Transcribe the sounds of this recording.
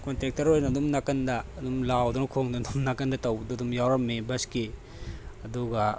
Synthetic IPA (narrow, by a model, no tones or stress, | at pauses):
kontɾek̚tɐɾojnɐdumnɐkɐndɐːdumlawd̪unɐkʰoŋdud̪umnɐkɐndɐtɐwduɐd̪umjawɾɐmːebɐske | ɐduɡɐ